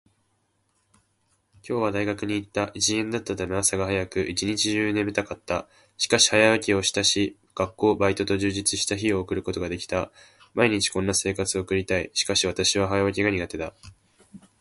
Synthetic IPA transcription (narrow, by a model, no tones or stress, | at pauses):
kʲʰo̞ːβad̪aiɡakɯ̟ɲ̟iːt̪ːaʔit͡ɕiẽnd̪at̪ːat̪ameasaɡaɦajakɯ̟ʔit͡ɕiɲ̟it͡ɕiʑɨːnẽ̞mt̪akat̪ːa | ɕi̥kaɕi̥hajaβakʲio̞ɕi̥t̪aɕi | ɡ̥akːo̞ːbait̪o̞t̪o̞ʑɨːʑit͡sɨɕi̥t̪açio̞ːkɯ̟ɾɯ̟ko̞t̪o̞ɡad̪e̞kʲi̥t̪a | maiɲ̟it͡ɕi̥kõ̞nːase̞ːkat͡sɨo̞ːkɯ̟ɾʲit̪aiɕi̥kaɕiβat̪aɕiβaɦajaβak̬ʲiɡaɲ̟iɡat̪e̞d̪a